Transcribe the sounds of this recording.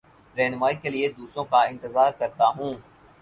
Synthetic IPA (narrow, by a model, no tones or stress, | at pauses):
ɾɛɦnʊmaːikelied̪uːsɾõkaɪ̃nt̪ɪzaːɾkɐɾt̪aɦũː